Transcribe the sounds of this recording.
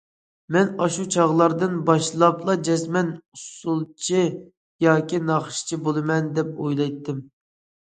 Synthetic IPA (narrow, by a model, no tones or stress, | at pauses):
mɛnɑʃut͡ʃʰɑʁlˠɑɾd̪ɨnbɑʃlˠɑplˠɑd͡ʒɛsmɛnusulˠt͡ʃʰi | jɑːkʲinɑχʃt͡ʃʰibolˠɨmɛnd̪ɛp̚ojlˠɑjt̪ʰːɪm